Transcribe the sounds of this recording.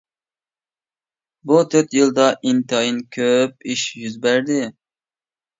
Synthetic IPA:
but̪ʰøɾt̪jɨlˠd̪ɑʔint̪ʰɨɑjinkʲʰøp̚iʃjyzbæɾd̪ɪ

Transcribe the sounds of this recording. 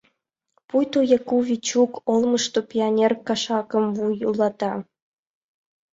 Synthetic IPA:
pujt̪ojɑkuvʲit͡ɕukolˠmɤ̆ʃt̪opʲianʲerkɑʃɑkɤ̆mvujulˠɑt̪ɑ

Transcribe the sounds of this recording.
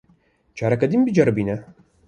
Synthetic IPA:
t͡ʃʰaːɾɐkɐd̪imbid͡ʒɐɾbiːnɐ

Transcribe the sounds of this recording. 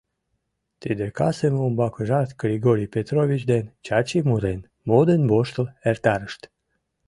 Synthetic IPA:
t̪id̪ekɑsemumbɑkəʒɑrt̪ɡɾiɡoɾʲijpet̪ɾovʲit͡ɕd̪ent͡ɕɑt͡ɕimuɾen | mod̪enboʃt̪əlert̪ɑɾəʃt̪

